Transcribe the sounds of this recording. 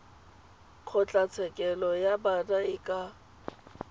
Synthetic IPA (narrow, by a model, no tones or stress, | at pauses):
q͡χʰɔt͡ɬʼat͡sʰɛkʼɛlɔjabadaɪkʼa